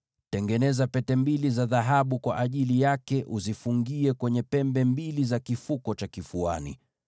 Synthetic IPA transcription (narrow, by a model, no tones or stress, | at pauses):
tɛŋɡɛnɛzapɛtɛmbilizaðaɦaɓukwa̰ʔaʄilijakɛʔuzifuŋɡiɛkwɛɲɛpɛmbɛmbilizakifukɔt͡ʃakifua̰nḭ